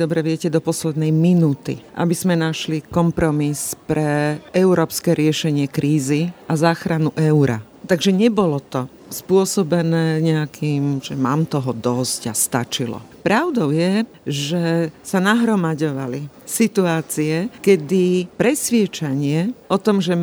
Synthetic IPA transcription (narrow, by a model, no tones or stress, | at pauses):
d̪ɔbɾɛʋɪɛcɛd̪ɔpɔslɛd̪nɛjminuːt̪ḭʔa̰biz̥mɛnaʃlikɔmpɾɔmispɾɛʔɛʊɾɔːpskɛɾɪɛʃɛɲɪɛkɾiːziʔazaːxɾanuʔɛuɾa̰ | t̪aɡʒɛɲɛbɔlɔt̪ɔ | spʊɔsɔbɛnɛːɲɛakʰiːmʒɛmaːmt̪ɔɦɔd̪ɔzca̰st̪a̰t͡ʃilɔ̰pɾaʊd̪ɔʊjɛ | ʒɛsanaɦɾɔmaɟɔʋali | sit̪uaːt͡siɛkɛd̪ipɾɛsʋɪɛt͡ʃaɲɪɛʔɔt̪ɔmʒɛ